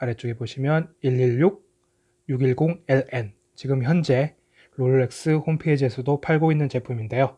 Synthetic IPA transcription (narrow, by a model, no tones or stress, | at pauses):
aɾe̞t͡ɕ͈oɡe̞boɕʰimjʌniʎːiɭːuɡ̚ | juɡiɭɡoŋeɭen | t͡ɕiɡɯmçjʌnd͡ʑe̞ | ɾoɭːe̞k̚s͈ɯhompʰed͡ʑesʰʌdopʰaɭɡoinːɯnt͡ɕe̞pʰuminde̞jo